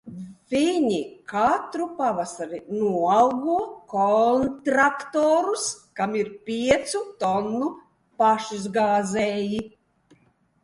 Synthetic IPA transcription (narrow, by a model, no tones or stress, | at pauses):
vʲiɲikat̪ɾupavasaɾinuɔalˠɡuɔkɔnt̪ɾakt̪oːɾuskamiɾpʲiɛt̪sut̪ɔnːu | paʃizɡaːzɛːji